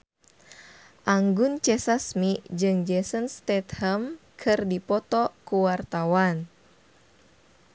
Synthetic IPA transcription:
ʔaŋɡunt͡ʃɛsasmiʔd͡ʒɨŋd͡ʒɛsənst̪ɛt̪hɛmkʰɨrdipɔt̪ɔkuwart̪awan

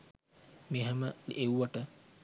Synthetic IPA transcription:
meɦɛməewʋaʈə

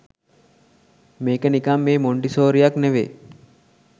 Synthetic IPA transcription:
meːkənikamːeːmoɳɖisoːɾijakneʋḛː

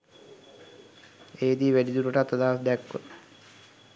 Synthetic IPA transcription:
eːd̪iːʋæɖid̪uɾəʈat̪ːəd̪aːʋsd̪ɛkːwə̰

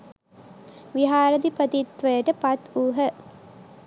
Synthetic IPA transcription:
ʋiɦaːɾəd̪ipət̪it̪ʋəjəʈəpat̪uːɦə

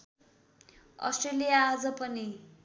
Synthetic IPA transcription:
ʌ̰sʈrelijaːd͡zʌpʌni

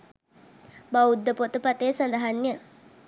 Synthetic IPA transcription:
baud̪ːəpot̪əpat̪eːsand̪ɐɦanːjə

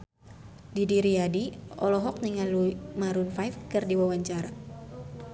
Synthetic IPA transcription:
didiɾiadiɔlɔɦɔk̚niŋalumaɾunfajfkɨrdiwawaɲt͡ʃaɾa

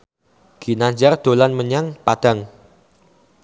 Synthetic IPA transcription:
ɡ̥i̤naɲd͡ʒard̪̥o̤lanməɲaŋpad̪̥a̤ŋ

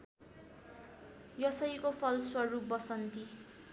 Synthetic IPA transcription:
jʌsʌjkopʰʌlswʌrup̚bʌsʌnt̪i

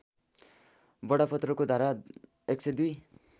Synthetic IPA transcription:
bʌɽapʰʌt̪rʌkod̪ʱaɾa | ek̚sʰʌjd̪uj

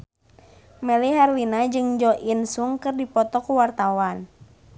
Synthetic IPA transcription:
mɛliɦɛrwinad͡ʒɨŋd͡ʒɔʔinsuŋkɨrdipɔt̪ɔkuwart̪awan

